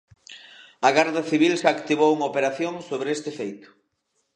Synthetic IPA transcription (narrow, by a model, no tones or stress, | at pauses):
aɣaɾðaθiβ̞ilsakt̪iβowuŋopeɾaθjoŋsoβɾest̪ɪfejt̪ʊ̥